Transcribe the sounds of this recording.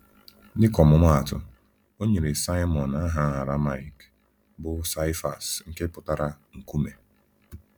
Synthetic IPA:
dɪ˦kɔ˨mʊ˨mʷa˦a˨tʊ̰˨ | o˦ɲe˨ɾe˨sa˦ɪ˦mɔ˨na˦ɦa˦a˨ɾa˦ma˦˨ɪ˨k | bʊ˦sa˦ɪ˦fa˨sŋ̩˦ke˦pʊ˨ta˦ɾa˦ | ŋ̩˨ku˦me˨

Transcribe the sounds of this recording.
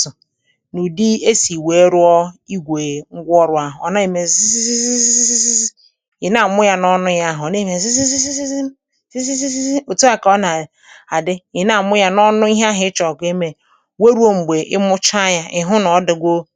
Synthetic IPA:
ʊ˨ | nu˨di˦e˦si˨we˨˦ɾʊ˦ɔ˦i˦ɡʷe˨ŋ̩˦ɡʷɔ˦ɾʊ˨˦a˦ɦʊ˨ɔ˨na˦e˨me˨˦i˦si˦si˦si˦si˦si˦si˦ | ɪ˨na˨mʊ˦ja˦nɔ˦nʊ˦ja˦ɦʊ˨ɔ˨ne˦˨me˨s̬i˦si˦si˦si˦ss | si˦si˦si˦si˦o˨to˦a˦kɔ˦na˨ | a˨dɪ˦ɪ˨na˨mʊ˦ja˦nɔ˦nʊ˦i˦ɦɦɪ˦t͡ʃɔ˨ke˦me˨ | we˦ɾu˦o˦ŋ͡m̩˨ɡ͡be˨ʔɪ˦mʊ˦t͡ʃa˦ja˦ʔɪ˨ɦʊ˦nɔ˨˦dɪ˨ɡʷo˦

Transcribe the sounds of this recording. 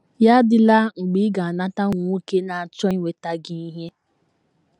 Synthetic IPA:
ja˦dɪ˦la˦ŋ͡m̩˨ɡ͡bi˦ɡa˨a˨na˦ta˦ŋʷʊ˨u˦ke˦na˨a˨t͡ʃɔ˦i˦ŋʷe˨ta˦ɡi˦i˦ɦe˦

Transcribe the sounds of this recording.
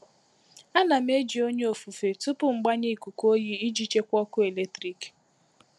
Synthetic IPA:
a˦na˨m˦e˦d͡ʒi˨o˦ɲe˦o˨fu˨fe˨tʊ˦pʊ˦ŋ͡m̩˨ɡ͡ba˦ɲe˦i˨ku˨ko˦ji˦i˦d͡ʒi˦t͡ʃe˦kʷɔ˦kʊ˦e˨le˦tɾi˨k

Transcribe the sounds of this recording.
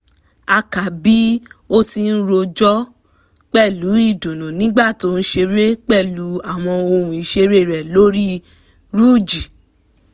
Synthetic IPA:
a˧ka˨bi˨˦o˦ti˧n̩˦ɾo˧d͡ʒɔ˦ | k͡pɛ˦˨lu˨˦i˦˨dõ˨nũ˨nĩ˦ɡ͡ba˦˨to˨˦˧ñ̩˦ʃe˧ɾe˦k͡pɛ˦˨lu˨˦a˦˨w̃ɔ̃˧o˧ɾũ˨i˨ʃe˧˦ɾe˦˨ɾɛ˨lo˦ɾi˦ | ɾu˦˨d͡ʒi˨

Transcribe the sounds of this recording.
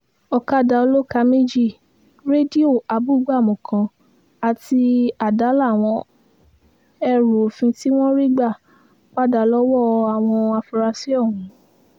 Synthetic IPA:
ɔ˨ka˦˨da˨˧o˧lo˦ka˧˦me˦d͡ʒi˦˨ | ɾe˦di˦o˦˨a˨bu˦˨˦ɡ͡ba˦˨mɔ̃˨kʰã˧ | a˨ti˧a˨da˨˦la˦˨w̃ɔ̃˧ | ɛ˦˨ɾo˨fĩ˧ti˦w̃ɔ̃˦ɾi˦ɡ͡ba˦˨ | k͡pa˦da˨lɔ˦wɔ˦˨a˨w̃ɔ̃˧a˧fu˧ɾa˧si˦ɔ˦˨wũ˨˦

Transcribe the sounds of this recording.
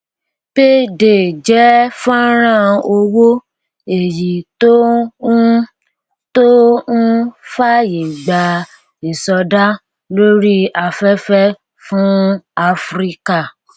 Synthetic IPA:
b̥e˦de˨d͡ʒɛ˨˦fã˦ɾ̃ã˦˨o˧wo˦ | e˨ji˨to˦ | to˦ñ̩˦fa˦je˨ɡ͡ba˨ | e˨sɔ˧da˦ | lo˦ɾi˦a˧fɛ˦fɛ˦ | fũ˦a˧fɾi˦ka˦˨

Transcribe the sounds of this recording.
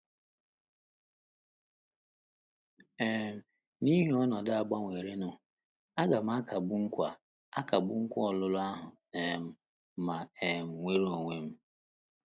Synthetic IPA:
e˦m̩˨ | ni˦ɦe˨˦ɔ˦nɔ˨da˦a˨ɡ͡ba˦ŋʷe˨ɾe˦nʊ˦ | a˦ɡa˨m̩˦a˦ka˨ɡ͡bʊ˦ŋ̩˦kʷa˨ | a˦ka˨ɡ͡bʊ˦ŋ̩˦kʷɔ˦ɔ˨lʊ˦lʊ˦a˦ɦʊ˨ | e˨m̩˨ | ma˨e˨m̩˨ŋʷe˦ɾo˨ŋʷe˦m̩˦

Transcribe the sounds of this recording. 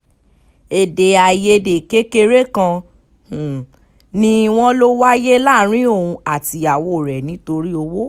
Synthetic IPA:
e˨de˨a˨je˧de˨ke˦ke˧ɾe˦kã˧ | h̩˨ | nĩ˧w̃ɔ̃˦lo˦wa˦je˦la˦˨˦ɾ̃ĩ˦o˦˨ũ˧a˨ti˧a˨wo˦˨ɾɛ˨nĩ˨˦to˧ɾi˦o˧wo˦

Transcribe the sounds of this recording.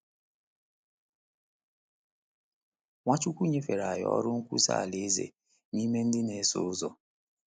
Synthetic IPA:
ŋʷa˦t͡ʃu˦kʷu˦˨ɲe˦fe˨ɾa˨jɔ̰˦ɾʊ˦ŋ̩˦kʷṵ˦sa̰ː˦˨le˨e˦zḛ˨ | ni˦me˦n̩˦dɪ˦ne˨˦sʊ̰˦ʊ˦zɔ˨

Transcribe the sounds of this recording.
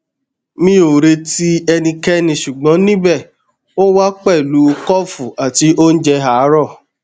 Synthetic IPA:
mĩ˦o˨ɾe˧ti˦ɛ˧nĩ˧kɛ˦nĩ˧ʃu˨ɡ͡bɔ̃˨˦nĩ˦bɛ˦˨ | o˦wa˦k͡pɛ˦˨lu˨˦˧kɔ˦fu˨a˨ti˨˧ʔo˦n̩˦d͡ʒɛ˧ɦa˨˦ɾɔ˦˨

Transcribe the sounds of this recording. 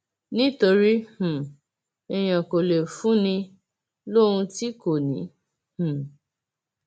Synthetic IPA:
nĩ˦to˧ɾi˦hũ˨ | ɛ˨j̃ã˨ko˨le˨fũ˦nĩ˧ | lo˦ũ˧ti˦ko˨nĩ˨˦ | hũ˨

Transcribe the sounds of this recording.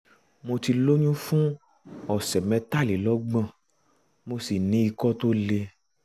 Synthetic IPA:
mo˧ti˧lo˦ɲũ˦fũ˦ | ɔ˨sɛ˨mɛ̃˧ta˦˨li˨˦lɔ˨˦ɡ͡bã˦˨ | mo˧si˨nĩ˨˦i˧kɔ˦to˦le˧

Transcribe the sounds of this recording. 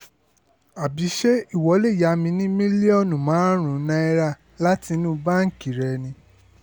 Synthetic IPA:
a˨bi˨˦ʃe˦i˦˨wɔ˨˦le˦˨ja˨˧mĩ˧nĩ˦mĩ˦li˦ɔ˦˨nũ˨mãː˨˦ɾ̃ũ˨˦nã˧˦i˧ɾa˦˨ | la˦ti˧nũ˦ba˦ŋ̩˦˨ki˨ɾɛ˨nĩ˧

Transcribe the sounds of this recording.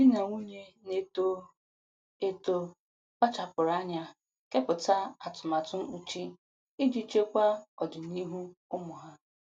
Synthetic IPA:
i˦na˨ŋʷu˦ɲe˦ne˦to˦ | e˦to˦ | k͡pa˦t͡ʃa˨pʊ˨ɾa˦ɲa˦ | ke˦pʊ˨ta˦a˨tʊ˨ma˨tʊ˦u˨t͡ʃi˦ | i˦d͡ʒi˦t͡ʃe˦kʷa˦ɔ˨dɪ˨ni˦ɦu˦ʊ˦mʊ˨ɦa˦

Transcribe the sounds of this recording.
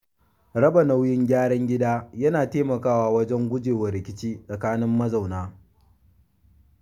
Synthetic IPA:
ɽɐ˦bɐ˨nɐ˨wjɪ˦ŋɡʲaː˦ɽɐ˦ŋɡʲɪ˦daː˦jɐ˦naː˨teː˦mɐ˨kaː˦waː˦wɐ˦d͡ʒɛ˦ŋɡʷʊ˦d͡ʒeː˨wɐ˨ɾɪ˨kʲɪ˦t͡ʃiː˦sʼɐ˨kaː˦nɪ˦mːɐ˦za˨wnaː˦

